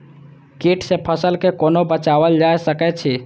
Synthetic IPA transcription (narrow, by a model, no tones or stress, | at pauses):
keʈsepʰəsəlkekonobət͡ʃaʋəld͡ʒajsəkɛt͡ʃʰɛ